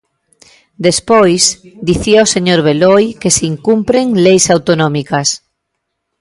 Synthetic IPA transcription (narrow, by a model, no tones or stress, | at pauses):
d̪espojsd̪iθiaoseɲoɾβ̞elojkeseiŋkumpɾeŋlejsawt̪onõmikas